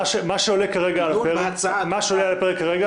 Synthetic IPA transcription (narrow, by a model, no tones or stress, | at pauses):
aʃemaʃeolekaʁeɡalapeʁekmaʃeolealapeʁekːaʁeɡa